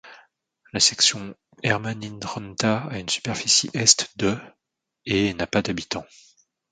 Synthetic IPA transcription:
lasɛksjɔ̃ | ɛʁmaninʁɔnt̪aaynsy̥pɛʁfisḭʔɛst̪d̪ø | enapad̪abit̪ɑ̃

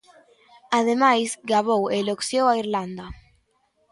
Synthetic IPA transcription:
aðemajzɡaβoweloksowaiɾland̪a

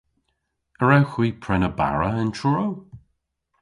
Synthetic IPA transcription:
əɹawxwiːpʰɹɛnəba̰ɹəɪnt͡ʃʰʊɹow

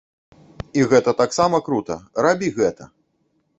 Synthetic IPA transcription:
iɣɛt̪ɐt̪aksamɐkɾut̪ɐ̰ɾabʲiɣɛt̪ɐ

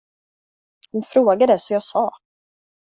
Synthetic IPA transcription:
hʊnfɾoːɡad̪ɛsɔjɑːɡsɑː

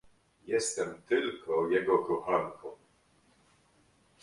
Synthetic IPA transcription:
jɛst̪ɛmt̪ɘlkʰɔjɛɡɔkɔxaŋkʰɔm

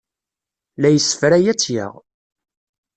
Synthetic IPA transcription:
læjəsːə̥fɾæjæt͡sːjə̰ʁ

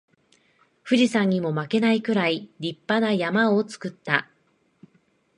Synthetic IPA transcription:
ɸɯ̟ʑisãɲ̟ːimo̞make̞naikɯ̟ɾaiɾʲipːanajamao̞t͡sɨ̥kɯ̟t̪ːa

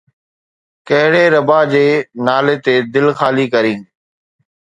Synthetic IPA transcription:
kɐɦɪɽeːɾəbaːd͡ʑeːnaːlet̪eːd̪ɪlxaːlikɐɾĩː

